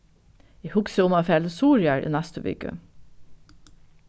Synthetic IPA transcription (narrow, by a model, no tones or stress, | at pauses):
iːhʉksəʊmɑfɛld̪əsuːɹjæɹʔḭːnæst̪əʋʏ̰ɡə̰